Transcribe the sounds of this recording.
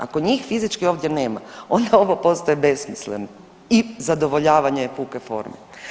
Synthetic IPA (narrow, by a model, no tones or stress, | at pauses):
a̰koɲiːxfizit͡ʃkio̞ːʋd̪je̞ne̞ːma̰o̞nd̪ao̞ʋopo̞st̪ojebe̞smisleno | izad̪o̞ʋo̞ʎaːʋaɲeepuːkefo̞̰ɾme